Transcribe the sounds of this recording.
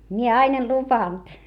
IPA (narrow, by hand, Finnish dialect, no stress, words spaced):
mie ɑin en lupɑn